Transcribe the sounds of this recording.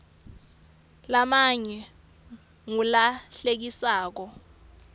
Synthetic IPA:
lamaɲɛ | ŋulaɬek̬isaːk̬ɔ

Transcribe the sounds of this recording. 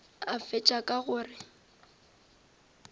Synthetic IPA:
afɪt͡ʃʼakʼaɣʊːrɪ

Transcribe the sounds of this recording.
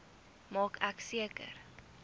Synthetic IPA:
mɑːkæksiəkə̰r

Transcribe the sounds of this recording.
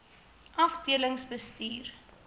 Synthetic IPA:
ʔɐfdiələŋsbəstiːr

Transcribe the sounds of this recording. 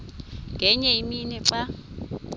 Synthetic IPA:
ŋɡʱɛɲɛiminɛǀa

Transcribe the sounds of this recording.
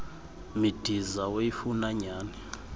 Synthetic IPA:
mid̥ʱizaweifunaɲaːnɛ

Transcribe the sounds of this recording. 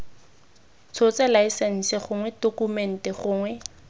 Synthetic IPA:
t͡sʰot͡sɛlaisɛn̩sɛχʊŋwɛdokumɛn̩tɛχʊːŋwɛ

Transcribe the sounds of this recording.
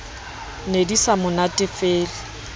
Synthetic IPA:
nedisamʊnatʼɪfeːlɪ

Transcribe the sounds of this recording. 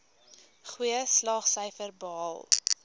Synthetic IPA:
χwiəslɑːχsœjfərbɑɑlˠ

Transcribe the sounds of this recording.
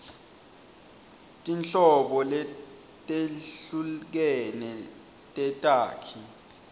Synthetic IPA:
tʼinɬɔɓɔlɛ | tʼeɬuk̬ɛnɛ | tʼɛtʼaːkʰi

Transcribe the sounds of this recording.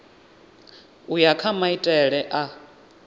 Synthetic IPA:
ujakʰamaitʼɛɺɛʔa

